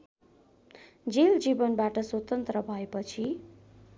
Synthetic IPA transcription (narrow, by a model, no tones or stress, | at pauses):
d͡zeld͡ʒibʌnbaʈʌswot̪ʌnt̪ɾʌbʱʌepʌt͡sʰi